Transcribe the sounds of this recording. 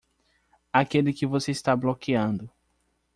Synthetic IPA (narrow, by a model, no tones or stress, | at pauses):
akelɪkɪvoseist̪ablokiɐ̃nd̪ʊ